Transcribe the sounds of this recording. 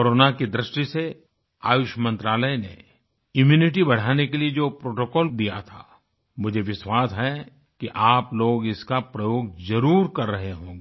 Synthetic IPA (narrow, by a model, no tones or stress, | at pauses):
koɾoːnakid̪ɾɪʃʈise | a̰ːjʊʃəmɐ̃nt̪ɾaːləjnḛ | ɪmjuːnɪʈ̬ibɐɽ̤aːnekelied͡ʒoːpɾoːʈokɔːld̪ija̰t̪ʰa̰ː | mʊd͡ʒʱeʋɪʃwaːsɦɛ | kiʔaːploːɡɪskapɾɐjoːɡ̚zɐɾuːɾkɐɾːɐɦeɦõːɡe